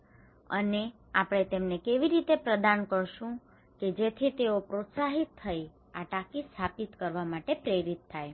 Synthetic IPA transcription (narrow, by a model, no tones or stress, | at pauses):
ə̰ne | apəɽ̃et̪emnekeʋiɾit̪epɾəd̪ankəɾʃũ | ked͡ʒet̪ʰit̪eopɾot̪saɦit̪ʰːəj | aʈakist̪ʰapit̪kəɾʋamaʈepɾeɾit̪ʰːaj